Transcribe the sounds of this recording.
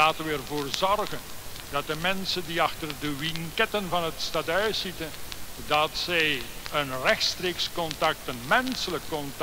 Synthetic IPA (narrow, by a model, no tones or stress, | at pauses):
aːtəʋɛrvoːrzɔrɣən | dɑt̚dəmɛnsəndiɑxtərdəwiŋkɛtənvɑnɦətstadœɥsitəndɑtsɛjənrɛxtstreːkskɔntɑk̚tənmɛnsələkːɔnt